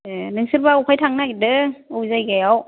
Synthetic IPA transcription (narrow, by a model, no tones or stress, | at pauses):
ɯnɯŋsɯɾbaupʰajtʰaŋnadɯozajɡɛw